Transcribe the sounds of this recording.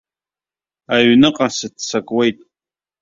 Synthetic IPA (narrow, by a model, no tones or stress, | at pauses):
aɥnɨqʼasɨtʰsakʼwe̞jtʼ